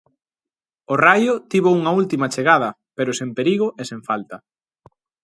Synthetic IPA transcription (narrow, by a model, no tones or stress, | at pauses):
orajʊt̪iβouŋɐult̪imɐt͡ʃeɣað̞ɐ | peɾʊsempeɾiɣʊʔesẽɱfalt̪ɐ